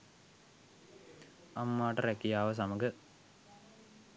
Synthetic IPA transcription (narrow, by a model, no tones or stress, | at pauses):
ɐmːaːʈːɐrekːijaːʋɐs̬ɐmɐɡɨ